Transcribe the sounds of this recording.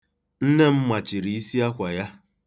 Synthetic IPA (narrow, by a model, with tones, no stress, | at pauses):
n̩˦ne˦m̩˦ma˨t͡ʃi˨ɾi˨i˦si˦a˦kʷa˨ja˦